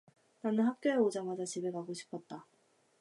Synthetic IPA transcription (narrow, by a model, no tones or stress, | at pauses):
nanɯnɦak̚k͈joeod͡ʑaŋad͡ʑat͡ɕibe̞ɡaɡoɕʰi̥pʰʌt̚t͈a